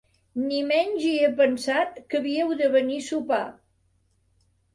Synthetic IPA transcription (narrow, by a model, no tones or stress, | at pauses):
nimɛɲʲʒiepənsat̪̚kəβiəwðəβənisupa